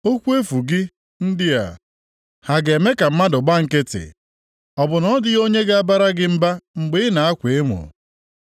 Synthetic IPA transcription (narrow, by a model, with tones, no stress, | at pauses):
o˦kʷu˦e˦fu˨ɡɪ˦ | n̩˦dɪ˦a̰˨ | ha˨ɡe˨me˦ka˨m̩˦ma˦dʊ˨ɡ͡ba˦ŋ̩˨ke˦tḛ˨ | ɔ˨bʊ˨nɔ˦dɪ˦ɣo˦ɲe˦ɡa˦a˦ba˦ɾa˦ɡɪ˦m̩˦ba˦ŋ͡m̩˨ɡ͡bɪ˦ɪ˦na˨a˦kʷe˨e˦ŋʷʊ̰˨